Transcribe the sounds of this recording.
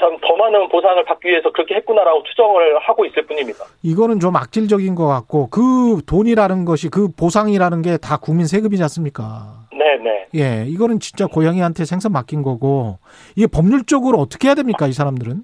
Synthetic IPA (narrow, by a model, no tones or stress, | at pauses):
t͡ɕamtʌmanɯnposʰaŋɯɭpak͈iɥie̞sʰʌkɯɾʌkʰe̞ɦet̚k͈unaɾaɡot͡ɕʰu̥d͡ʑʌŋɯɭhaɡois͈ɯɭp͈uɲimɲidaiɡʌnɯnt͡ɕoma̰k̚t͡ɕ͈iɭd͡ʑʌɡinɡʌk͈ak̚k͈okɯtoɲiɾanɯnɡʌɕʰikɯposʰaŋiɾanɯnɡe̞takuŋminsʰe̞ɡɯbid͡ʑas͈ɯmɲik͈ane̞ne̞̰je̞iɡʌnɯnt͡ɕint͡ɕ͈akojaŋiɦantʰe̞sʰe̞ŋsʰʌŋmak͈inɡʌɡo | iɡe̞pʌmɲuɭt͡ɕ͈ʌɡɯɾoʌt͈ʌ̥kʰe̞jadwe̞mɲik͈ais̬ʰaɾamdɯɾɯn